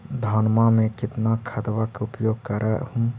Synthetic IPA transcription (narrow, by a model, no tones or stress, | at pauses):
d̪ʱaːnmamẽkɪt̪nakʰəd̪ʋakeupjoːɡ̚kəɾʔə̰hum